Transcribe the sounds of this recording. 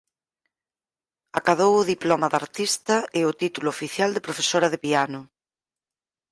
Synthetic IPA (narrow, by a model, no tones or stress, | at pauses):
akaðowʊðiplomaðaɾt̪ist̪ɐɪot̪it̪uloːfiθjald̪epɾofesoɾɐðepianʊ